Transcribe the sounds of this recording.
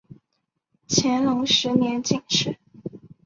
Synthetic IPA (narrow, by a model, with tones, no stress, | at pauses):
t͡ɕʰjɛ˧˥nlʊ˧˥ŋʂɻ̩˧˥njɛ˧˥nt͡ɕi˥˨˩ŋʂɻ̩˥˩˦